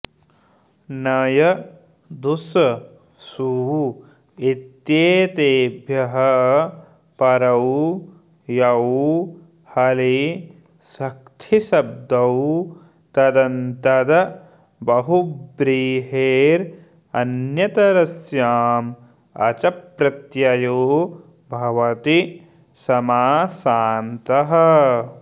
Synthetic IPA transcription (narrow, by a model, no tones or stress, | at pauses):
nɐjɐ | d̪us | suu | it̪jeːt̪eːbʱjɐɦɐ | pɐɾɐw | jɐw | hɐli | sɐkt̪ʰiʃɐb̚d̪ɐw | t̪ɐd̪ɐnt̪ɐd̪ɐ | bɐɦubɾiːɦeːɾ | ɐ̰njɐt̪ɐɾɐsjaːm | ɐ̰t͡ʃɐpɾɐt̪jɐjoː | bʱɐʋɐt̪i | sɐmaːsaːnt̪ɐɦɐ